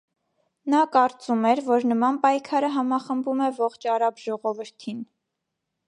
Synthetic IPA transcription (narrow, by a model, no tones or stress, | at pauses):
nɑkɑɾt͡sumɛɾvɔɾnəmɑnpɑjkʰɑɾəɦɑmɑχəmbumɛvɔχt͡ʃʰɑɾɑbʒɔʁɔvəɾt̪ʰin